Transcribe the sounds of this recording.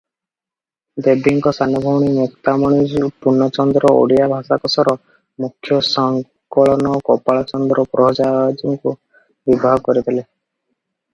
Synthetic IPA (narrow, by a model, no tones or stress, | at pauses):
d̪ebʱiŋkɔsanɔbʱɔwɽ̃imukt̪amɔɽ̃id͡ʒupunːɔt͡ʃɔnd̪ɾɔo̰ɽijabʱasakɔsɔɾɔ | mukʰːjɔsɔŋ | kɔɭɔnɔkɔpaɭɔt͡ʃɔnd̪ɾɔpɾɔɦd͡ʒad͡ʒɔŋku | bibaɦɔkɔɾit̪ʰile